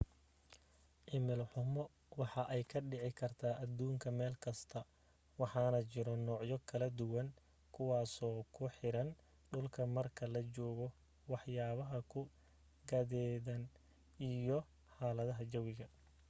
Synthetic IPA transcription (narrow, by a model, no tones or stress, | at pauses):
ʔɪmɪlħʊmɔ | wɑħɑʔɛjkʰɐɖɪʕɪkʰɐrt̪ʰaːʔɐd̪uːŋkʰɐmɛːlkʰɐst̪ʰɐ | wɑħɑːnɐt͡ʃɪɾɔnɔːʕjɔkʰɐlɐd̪ʊwɐŋ | kʰʊwɑːsɔːkʰʊħɪɾɐn | ɖʊlkʰɐmɐrkʰɐlɐt͡ʃɔːɣɔ | wɑħjaːβɐɦɐkʰʊ | ɡɐðɛːðɐn | ijɔ | ħɑːlɐðɐɦɐt͡ʃɐwɪɣɐ